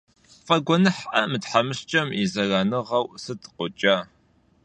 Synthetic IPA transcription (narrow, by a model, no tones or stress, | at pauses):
fʼɐɡʷɔnɨħʔɐmɨtħamɨɕt͡ʃʼɐmizɐraːnɨʁɐwsɨtʰqʷʊt͡ʃʼaː